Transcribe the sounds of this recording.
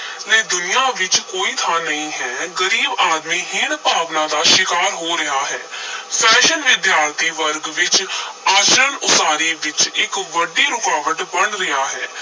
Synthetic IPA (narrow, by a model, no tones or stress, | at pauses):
leːd̪ʊnɪjaːʋɪt͡ʃkoːiːt̪ʰaːnəĩːɦɛːɡəɾiːbaːd̪miːɦɪɳpaːʋnãːd̪aːʃɪkaːɾɦoːɾɪɦaːɦɛːpʰɛːʃənʋɪd̪jaːɾt̪ʰiːʋəɾɡʋɪt͡ʃaːt͡ʃɾənʊsaːɾiːʋɪt͡ʃɪkʋəɖiːɾʊkaːʋəʈbəɳɾɪjaːɦɛː